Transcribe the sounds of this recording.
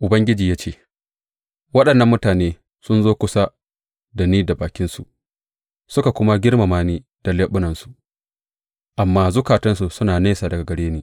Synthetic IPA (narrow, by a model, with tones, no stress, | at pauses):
ʔʊ˨bɐ˦ŋɡʲɪ˦d͡ʒiː˨jaː˦t͡ʃeː˦ | wɐ˦ɗɐ˨nːɐ˦mːʊ˦taː˨neː˦ | sʊ˦nzoː˦kʷʊ˦sa˦ | da˨niː˦da˨baː˨kʲɪ˦nsu˨ʔ | sʊ˦ka˨kʷʊ˦ma˦ɡʲɪ˦ɽma˨maː˦niː˦ | d̥a˨le˦ɓʊ˦nɐ˨nsu̥˨ʔ | ʔa˨mːaː˦zʊ˦kaː˨tɐ˦nsu˨sʊ˦naː˨neː˦saː˨dɐ˨ɡa˨ɡɐ˨ɽeː˦niː˦